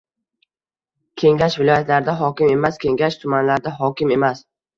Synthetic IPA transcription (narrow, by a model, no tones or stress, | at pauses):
kʲʰe̞ŋɡʲaʃvɪlɒjat̪laɾɪd̪aɦɒkʲɪme̞maskʲʰe̞ŋɡʲaʃt̪ʰʊmanlaɾd̪aɦɒkʲɪme̞mas